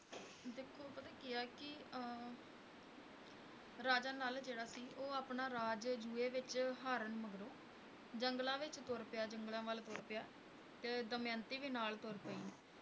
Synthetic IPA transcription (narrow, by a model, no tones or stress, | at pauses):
d̪eːkʰːoːpət̪aːkɪjaːkɪ | ɾaːd͡ʒãːnaːld͡ʒeːɽaːsiːʔoːaːpnaːɾaːd͡ʒd͡ʒuːeːʋɪt͡ʃɦaːɾənməɡɾoː | d͡ʒəŋɡlãːʋɪt͡ʃt̪oɾpɪjaːd͡ʒəŋɡlãːʋəlt̪oːɾpɪjaː | t̪eːd̪əmjãːnt̪iːʋiːnaːlt̪oɾpəiː